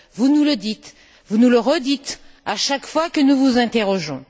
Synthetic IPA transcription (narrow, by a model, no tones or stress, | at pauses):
vunuləd̪it̪ | vunuləʁəd̪it̪aʃakfwakənuvuzɛ̃t̪eʁɔʒɔ̰̃